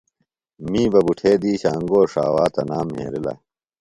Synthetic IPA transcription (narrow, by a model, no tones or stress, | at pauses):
mĩːbɐbuʈʰeːd̪iːɕaːŋɡoːʂa̰ːwaːt̪ɐnaːmɦḛːɾilɐ̰